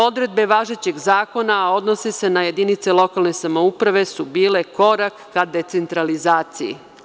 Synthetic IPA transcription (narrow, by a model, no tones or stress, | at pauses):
o̞d̪ɾe̞d̪̚be̞ʋaːʒet͡ɕe̞ɡzaːko̞nao̞d̪no̞sise̞naje̞d̪init̪se̞lˠo̞kalˠne̞samo̞upɾaʋe̞subiːle̞ko̞ɾakːad̪e̞t̪se̞nt̪ɾalizaːt̪sijḭ